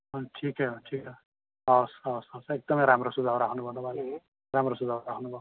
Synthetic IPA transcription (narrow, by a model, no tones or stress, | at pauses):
ʌʈʰikɦejoʈʰikʌ | ʌwsʌsʌwsek̚d̪ʌmʌjɾamrosud̪ʱabɾakʰnubʱʌnobale | ramrosud̪ʱabɾakʰnubʱa